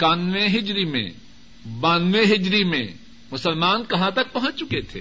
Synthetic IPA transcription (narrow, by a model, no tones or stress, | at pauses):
kaːnʋẽɦɪd͡ʒɾimḛ̃ | baːnʋeɦɪd͡ʒɾimḛ̃ | mʊsəlmaːnkɐɦãt̪ɐk̚pɐɦɔ̃t͡ʃt͡ʃʊket̪ʰḛː